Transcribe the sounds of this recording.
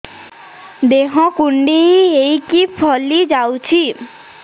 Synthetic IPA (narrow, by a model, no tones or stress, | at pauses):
d̪eɦɔ̃kuɳɖiejkipʰɔlid͡ʑawt͡ɕʰi